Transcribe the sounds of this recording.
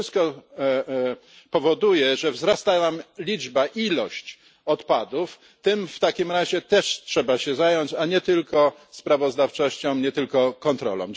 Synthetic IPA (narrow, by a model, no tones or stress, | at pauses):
st̪kɔ | pɔvɔd̪ujɛʐɛvzɾast̪anamlʲid͡ʐbaʔilɔɕt͡ɕ | ɔt̪pad̪uf | t̪ɘmft̪akʲimɾaʑɛt̪ɛʂtʂɛbaɕɛzajɔɲt͡ɕaɲɛt̪ɘlkɔspɾavɔzd̪aft͡ʂɔɕt͡ɕɔ̃w̃ɲɛt̪ɘlkɔkɔnt̪ɾɔ̰lɔ̰̃w̃